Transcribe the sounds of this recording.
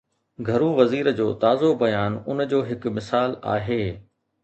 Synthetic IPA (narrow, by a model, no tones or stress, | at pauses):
ɡʱɐɾũʋɐziːɾd͡ʑoːt̪aːzobɐjaːnʊnd͡ʑoːɦɪk̆mɪsaːla̰ːɦeː